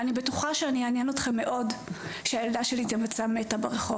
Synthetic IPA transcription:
anibetuχaʃeaniaːnjenot̪χemːe̞ʔo̞dʃeajeldaʃelit̪emat͡sametabeʁeχo

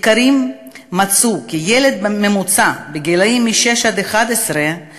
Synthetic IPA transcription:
kaɾimː | at͡sukijele̞d̪̚memut͡sabeɡilaimːiʃeʃad̪eχad̪esɾe

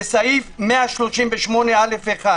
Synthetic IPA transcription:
esaifmeaʃloʃimveʃmonealefeχa

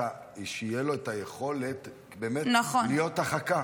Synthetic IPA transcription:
a | iʃeijelo̞etajeχo̞le̞t | be̞ːmetnaχolijo̞taχaka

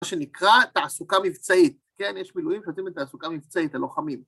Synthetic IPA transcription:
ʃe̞nikʁat̪aasukamivt͡sait̪̚ke̞njeʃmilujimʃeot̪imetːaasukamivt͡sait̪aloχamim

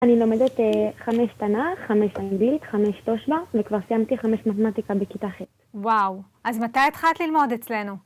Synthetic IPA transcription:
anilomed̪et̪eχameʃt̪anaχameʃaŋɡlit̪χameʃtoʃbavekvaʁsijamt̪iχameʃmat̪emat̪ikabekit̪aχet | wawʔazmat̪ajet̪χat̪lilmo̞det͡sle̞nu

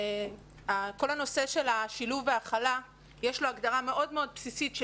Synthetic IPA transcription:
ako̞lhano̞se̞ʃe̞laʃiluveaχala | jeʃlo̞aɡdaʁame̞ʔo̞dmeo̞d̚psisitʃ

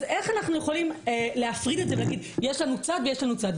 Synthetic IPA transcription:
e̞χanaχnuje̞χo̞limele̞afʁide̞tzevelaɡid̪ | jeʃlanut͡sad̪vejeʃlanut͡sad̪

